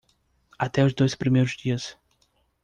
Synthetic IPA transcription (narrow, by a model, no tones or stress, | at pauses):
at̪ɛʊzd̪ojspɾimejɾʊzd͡ʒiɐs